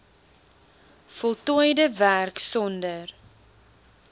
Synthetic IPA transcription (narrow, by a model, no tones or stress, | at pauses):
fɔlˠtɔjdəværksɔndər